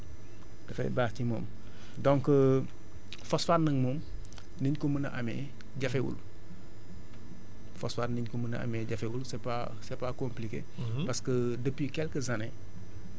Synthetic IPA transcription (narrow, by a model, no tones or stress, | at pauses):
d̥ɐfɛ̰baːxcimɔ̰ːm | dɔŋkə | fɔsfaːɾnɐŋmɔːm | niɲkɔmənɐ̰ʔamɛ̰ | ɟɐfɛwṵl | fɔ̰sfaːɾniɲkumənɐ̰ʔɐ̰mɛɟɐfɛwulsɛpa̰ | sɛpakomplikḛː | pɐskə | dəpːikɛlkəzanɛ